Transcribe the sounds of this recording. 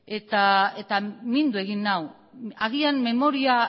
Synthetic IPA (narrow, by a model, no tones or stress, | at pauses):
e̞t̪ae̞t̪amind̪ue̞ɣinːaw | aɣianme̞mo̞ɾia